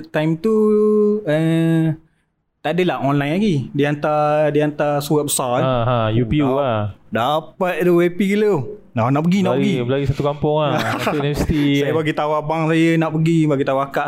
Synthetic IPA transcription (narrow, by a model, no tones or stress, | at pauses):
t̪ajmt̪u | ə | t̪adəlahonlajnlaɡidiant̪adiant̪asuwabəsaaãjupiuadapat̪̚duwepikələw | nanaʔpəɡinaʔpɡiblaɡisat̪ukampʊŋanivɛsi̥t̪isajabaɡit̪awabaŋsajənaʔpəɡibaɡit̪awaakaʔ